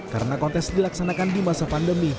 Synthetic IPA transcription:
ka̰ɾənakɔnt̪ɛsdilaksanakandimasapandəmi

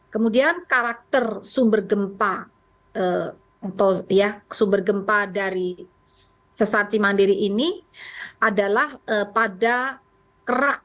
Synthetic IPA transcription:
kəmudiankaɾak̚t̪ərsumbərɡəmpa | ə | at̪awjasumbərɡəmpadaɾi | səsat͡ʃimandiɾiʔːniʔadalahəpada | kəɾak̚

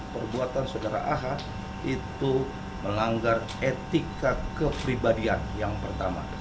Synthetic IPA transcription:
pərbuat̪ansodaɾa̰ʔaɦa | it̪u | məlaŋɡar | et̪ikakəpɾibadianjaŋpərt̪ama̰

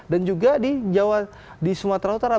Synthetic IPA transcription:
dand͡ʒuɡadid͡ʒawa | disumat̪ɾaut̪aɾa

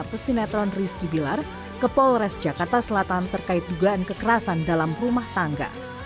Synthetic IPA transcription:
pəsinat̪ɾɔnrist̪ibilar | kəpɔlɾɛsd͡ʒakart̪asəlat̪ant̪ərkaɪt̪̚duɡaʔankəkəɾasandalamrumaht̪aŋɡa̰

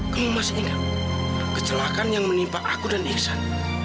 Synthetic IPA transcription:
kəmumasinɡa | kət͡ʃəlakanjaŋmənimpaʔakudaniksat̪

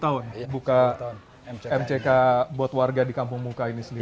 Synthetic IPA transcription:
t̪aʊnbuka | ɛmt͡ʃekabuat̪warɡadikampʊŋmukainisəndi

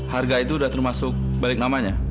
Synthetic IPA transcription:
harɡait̪udaht̪ərmasʊk̚ | balɪk̚namaɲa

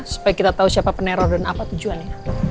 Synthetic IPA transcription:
su̥pajakit̪at̪ausiapapəneɾɔrdanapat̪ud͡ʒuanja

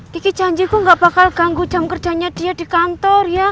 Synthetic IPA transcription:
ikid̥ʒ̥a̤ɲd͡ʒikuŋɡaʔb̥akalɡ̥aŋɡud̥d͡ʒ̥a̤mkərd̥ʒ̥a̤ɲad̥ijad̥ikant̪ɔrja

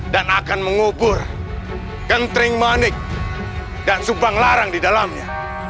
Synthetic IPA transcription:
danakanməŋubʊr | kənt̪ɾɪŋmanɪk̚ | daʔsubaŋlaɾaŋdidalamɲa

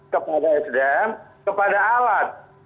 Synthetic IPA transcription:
kəpadaɛsdɛmkəpadaːlat̪̚

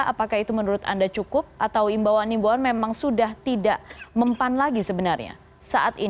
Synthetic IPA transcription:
ʔa̰pakahit̪umənuɾʊt̪a̰ndat͡ʃukʊp̚ʔat̪awimbawanimbuanmemaŋsudaht̪idaʔməmpanlaɡisəbənarɲa̰ | saʔat̪i

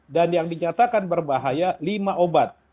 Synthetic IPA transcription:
danjaŋdiɲat̪akanbərbaɦajalimaʔobat̪̚

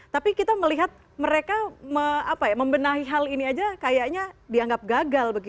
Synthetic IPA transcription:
t̪apikit̪aməliɦat̪̚ | məɾekaməapajaməmbənaɦiɦaliniad͡ʒakajaʔɲadiaŋɡap̚ɡaɡalbəɡi

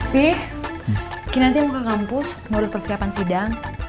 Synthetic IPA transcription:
pɪh | kinant̪imukakampʊsmuɾʊspərsiapansidaŋ

